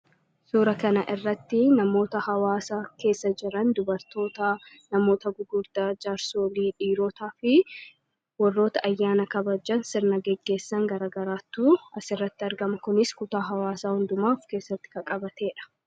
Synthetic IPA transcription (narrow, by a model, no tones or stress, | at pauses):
suːɾɐkɐnɐʔɪrːɐt̪ːɪnɐmo̞ːt̪ɐhɐwaːsake̞ːsːɐd͡ʒɪɾɐnd̪ʊbɐɾt̪o̞ːt̪ɐ | nɐmo̞ːt̪ɐɡʊɡʊɾd̪aːd͡ʒaːɾso̞ːliːᶑiːɾo̞ːt̪aːfɪ | wɔrːo̞ːt̪ɐʔɐjːaːnɐkɐbɐd͡ʒːɐnsɪɾnɐɡɛɡːe̞ːsːɐŋɡɐɾaːɡɐɾaːt̪ːuːɐsɪrːɐt̪ːɪɐɾɡɐmɐkʊnɪskʊt̪aːɦɐwaːsaːhʊnd̪ʊmaːɔfke̞ːsːɐt̪ːɪ̥kɐkʼɐbɐt̪e̞ːᶑɐ̥